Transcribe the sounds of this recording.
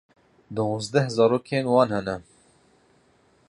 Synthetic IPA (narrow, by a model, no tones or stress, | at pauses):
d̪oõːzd̪ɛhzɑːɾoːkʰeːnwɑːnhɛnɛ